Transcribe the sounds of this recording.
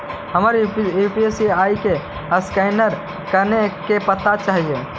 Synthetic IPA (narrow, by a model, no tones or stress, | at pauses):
həməɾjupiesiaːike | əskaɪnəɾ | kəɾnekepət̪at͡ʃaɦie